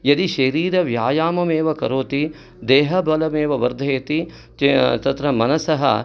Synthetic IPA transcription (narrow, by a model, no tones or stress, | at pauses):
jɐd̪iʃɐɾiːɾɐʋjaːjaːmɐmeːʋɐkɐɾoːt̪i | d̪eːɦɐbɐlɐmeːʋɐʋɐɾd̪ʱɐɐt̪i | t̪ɐt̪ɾɐmɐnɐsɐɦɐ̰